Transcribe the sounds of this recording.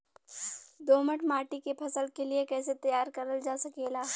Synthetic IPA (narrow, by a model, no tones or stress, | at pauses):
d̪oːməʈmaːʈikepʰɐsəlkeliekɛːset̪ɐjaːɾkɐɾəld͡ʒaːsɐkeːlaː